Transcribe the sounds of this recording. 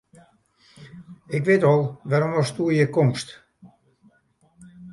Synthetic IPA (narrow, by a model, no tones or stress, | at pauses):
ɪkʋɪtɔlˠʋaɾomʋɔstuəjəkomst